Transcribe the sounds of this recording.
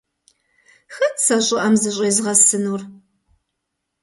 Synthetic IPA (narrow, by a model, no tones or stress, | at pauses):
xɐtsɐɕʼɪʔɐmzɨɕʼeːzʁɐsɨnuːr